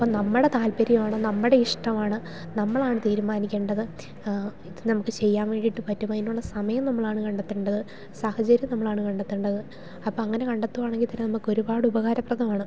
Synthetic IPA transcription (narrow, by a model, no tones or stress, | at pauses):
ɐpːoːnɐmːuɽe̞t̪aːlpɐɾjɐmaːɳɨnɐmːɨɽe̞iʂʈɐmaːɳɨ | nɐmːɐɭaːɳɨt̪iːɾumaːnikʲːe̞ːɳɖɐðɨ | inɐmukːɨt͡ɕe̞jːaːnʋe̞ːɳɖiʈːɨpɐtːumːɐinːuɭːɐsɐmɐjɐmnɐmːɐɭaːɳɨkɐɳɖɐt̪ːuɳɖɐðɨ | sahɐt͡ɕɐɾjɐmnɐmːɐɭaːɳɨkɐɳɖɐt̪ːuɳɖɐðɨ | ɐpːoːɐŋːɐne̞kɐɳɖɐt̪ːuʋaːɳeŋɡilt̪ːɐɾenɐmukːo̞ɾubaːɽɨubɐɣaːɾɐprɐðɐmaːɳɨ